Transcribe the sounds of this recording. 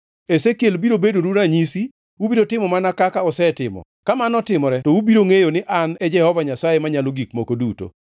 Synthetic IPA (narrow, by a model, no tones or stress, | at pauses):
esekjelbiɾobedoɾuɾaɲisi | ubiɾotɪmɔmanakakaɔsɛtɪmɔ̰ | kamanɔtɪmɔɾɛtɔubiɾoŋejonɪʔanɛd͡ʒɛhɔvaɲasajemaɲaloɡikmokoduto̰